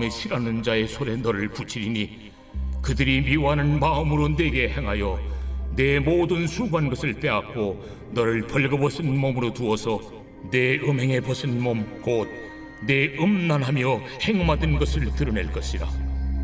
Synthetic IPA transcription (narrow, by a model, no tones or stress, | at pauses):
me̞ɕʰiɾanɯnd͡ʑae̞sʰoɾe̞nʌɾɯɭput͡ɕʰiɾini | kɯdɯɾimiwɦanɯnmaɯmɯɾone̞ɡe̞he̞ŋɦajʌne̞modɯnsʰuɡanɡʌsʰɯɭp͈e̞ak̚k͈o | nʌɾɯɭpʌɭɡʌbʌsʰinmomɯɾotuʌsʰʌ | ne̞ɯmɦe̞ŋe̞pʌsʰinmomkod̚ | ne̞ɯmnanɦamjʌhe̞ŋɯmadɯnɡʌsʰɯɭtɯɾʌne̞ɭk͈ʌɕʰiɾa̰